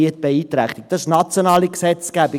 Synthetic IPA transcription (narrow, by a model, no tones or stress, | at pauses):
iət̚b̥eiːt̪ɾæχt̪ik̚d̥ɑɪʃnɑt͡sjonɑːliksɛt͡sɡ̥æbi